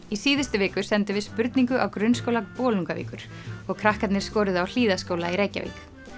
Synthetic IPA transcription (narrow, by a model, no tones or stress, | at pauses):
isiːðɪst̪ʏvɪːkʏsɛnt̪ɪvɪðspʏɾt̪niŋkʏʔawkɾʏnskowlapɔːluŋkavḭːkʏɾ̥ | ɔɣkʰɾahkat̪nɪɾ̥skɔːɾɪðawl̥iːðaskoːwlaiɾeːjca̰vḭːk